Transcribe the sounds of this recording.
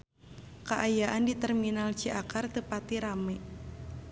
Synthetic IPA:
kaʔajaʔandit̪ərminalt͡ʃiakart̪əpat̪iɾamɛ

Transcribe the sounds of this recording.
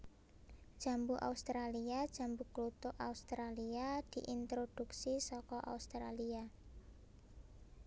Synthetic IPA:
d̥ʒ̥a̤mbuʔa̰ust̪ɾaliad̥ʒ̥a̤mbuklut̪ʊʔaust̪ɾaliad̪̥i̤ʔint̪ɾod̥uksisɔkɔʔa̰ust̪ɾalia

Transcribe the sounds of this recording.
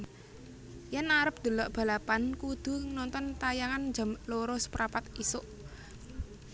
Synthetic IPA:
janaɾəp̚d̪̥o̤lɔʔb̥a̤lapankud̪̥ṳnɔnt̪ɔnt̪ajaŋand͡ʒamloɾɔspɾapat̪isʊʔ

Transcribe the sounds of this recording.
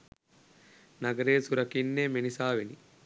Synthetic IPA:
nɐɡɐɾeːsuɾɐkinːemenisaːʋini

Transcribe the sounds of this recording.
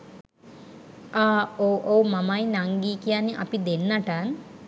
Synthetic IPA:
aːoʔoːmɐmajnaŋɡiːkijanːiʔɐ̰pid̪enːɐʈan

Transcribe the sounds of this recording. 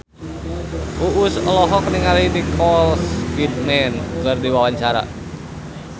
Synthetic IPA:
fuʔusɔlɔɦɔkəniŋalidikʰɔlsfit̪̚mɛnkɨrdiwawaɲt͡ʃaɾa̰

